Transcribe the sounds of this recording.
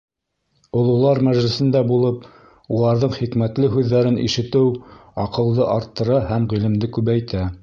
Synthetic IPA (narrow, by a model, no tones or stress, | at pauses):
ŏlˠulˠɑɾmæʒlɘ̆sɘ̆nd̪æbulˠɤp | ulˠɑɾðɤɴχikmæt̪lɘɦʉðːæɾɘnʔḭʃɘ̆t̪ɘwɑqɤ̆lˠd̪ɤʔɑɾt̪ːɤ̆ɾɑhæmʁilɘ̆md̪ɘkʉβæjt̪æ